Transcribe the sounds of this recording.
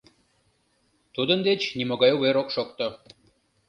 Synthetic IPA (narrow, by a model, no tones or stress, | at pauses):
t̪ud̪ənd̪et͡ɕnimoɡɑjoβeɾokʃok̚t̪o